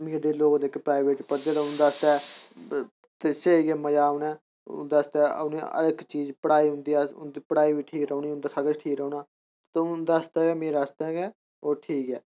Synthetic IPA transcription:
meːɾd̪eːloːkd̪eːkːepɾaːɪbeːʈːpəɾd͡ʒəd̪aʊnd̪aːst̪ɛː | t̪eseːiɡɛːməd͡ʒaːʊnɛ̰ː | d̪ast̪ɛ̰ːneə̰ləkt͡ʃiːd͡ʒpəɽaːiːɦʊ̃nd̪iːand̪ipəɽaːiːʋiːʈʰiːkɾəuniːʊ̃nd̪aːsəɡət͡ʃʈʰiːkɾəuːnaː | t̪ʊd̪ast̪ɛːɡɛːmeːɾast̪ɛːɡɛː | oːʈʰiːkɛ̰ː

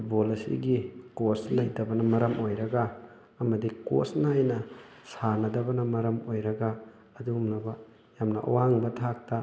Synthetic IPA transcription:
ppʰut̚bolɐsḭɡikoslɐjdɐbɐnɐmɐɾɐmojɾɐɡaː | mɐdiko̰snajnɐ | sanɐdɐbɐnɐmɐɾɐmojɾɐɡaː | dumnɐbɐ | jamnɐʔɐ̰waŋbɐtʰak̚tɐ

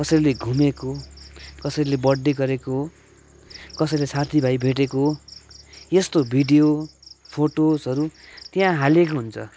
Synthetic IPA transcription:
kʌsʌjleɡʱumekokʌsʌjlebʌɖːeɡʌɾekoɦo | kʌsʌjlesat̪ʰibʱajbʱeʈ̬ekoɦo | jest̪obʱiɖijopʰoʈosʌɾut̪jãɦalekoɦunt͡sʰʌ̰

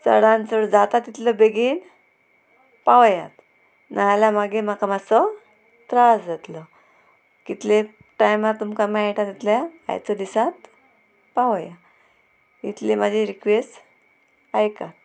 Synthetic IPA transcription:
t͡sə̰ɽãnt͡səɽd͡zat̪at̪ːit̪ləbeɡiːn | paʋja̰t̪ | naɦljamaɡemakamasɔ | t̪ɾasd͡zat̪lɔ | kit̪le | ʈajmat̪ːumkamaajʈat̪it̪ljaa̰jt͡sɔd̪isat̪ | paʋja | it̪lemad͡ʑʱĩɾikʋesʈ | ajkat̪̚

